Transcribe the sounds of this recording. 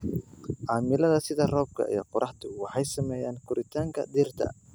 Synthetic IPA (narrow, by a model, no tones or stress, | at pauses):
ʔaːmɪlɐðɐsɪðɐrɔːb̚kʰɐ̰ʔḭjɔqʊɾɑħt̪ʰʊwɑħɑjsɐmɛːjaːnkʰʊɾʔɪt̪ʰaːŋkʰɐ̰d̪iːrt̪ʰɐ̰